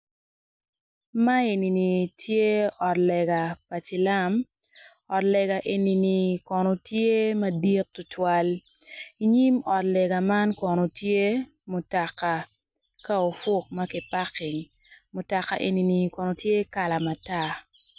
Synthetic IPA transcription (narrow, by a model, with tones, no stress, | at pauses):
ma˦e˨ni˨ni˨tʰje˦ɔ˨tlɛ˨ɡa˨pa˨t͡ʃi˨la˦m | ɔ˨tlɛ˨ɡa˨ʔe˨ni˨ni˨kɔ˨no˨tje˦mɐ˦di˦t̚tʊ˨˦twa˦l | i˨ɲi˦mɔ˨tlɛ˨ɡa˨ma˦nkɔ˨no˨tje˦ | mʊ˨ta˨ka˨ | ka˦o˨fʊ˦k̚ma˦kɪ˨pa˦kɪ˨ŋ | mʊ˨ta˨ka̰˨ʔḛ˨ni˨ni˨kɔ˨no˨tje˦ka˨la˨ma˨ta˦˨